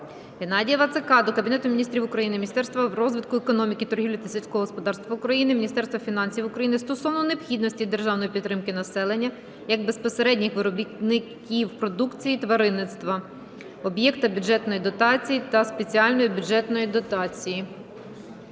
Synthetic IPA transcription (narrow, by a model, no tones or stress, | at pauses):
ɦenɑdʲijɐʋɐt̪sekɑd̪ɔkɐbʲinɛt̪ʊmʲinʲist̪ʲɾʲiwʊkɾɐjinɪmʲnʲist̪ɛrst̪ʋɐrɔzʋɪt̪̚kʊekɔnɔmʲikit̪ɔɾɦiwlʲɐt̪ɐsʲilʲsʲkɔɦɔɦɔspɔd̪ɑrst̪ʋɐʊkɾɐjinɪmʲinʲist̪ɛrst̪ʋɐfʲinɑnʲsʲiwʊkɾɐjinɪst̪ɔsɔʋnɔnepxʲid̪nɔsʲtʲid̪erʒɑwnɔjipʲit̪ːɾɪmkɪnɐsɛlˠenʲːɐ | jɐɡ̚bespɔseɾɛdʲnʲɪxʋɪɾɔbʲitnɪkʲiwpɾɔd̪ukt͡sʲijit̪ʋɐɾɪnːɪt̪st̪ʋɐ | ɔbjɛkt̪ɐbʲʊd͡ʒɛt̪nɔjid̪ɔt̪ɑt͡sʲijit̪ɐspet͡sʲiɑlʲnɔjibʲud͡ʒɛt̪nɔjid̪ɔt̪ɑt͡sʲiji